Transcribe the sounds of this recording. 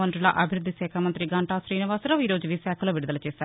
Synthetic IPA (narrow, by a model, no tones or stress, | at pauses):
ɐɳɖɾla̰ʔɐbʱɪɾʊd̪ʱːiseːkʰaːmɐnt̪ɾiɡɐɳʈaːsɾiːniʋaːsɾɐʋiːɾoːd͡ʒʋisɛːkʰɐloːʋɪɽud̪əlt͡ʃeːsaːɾ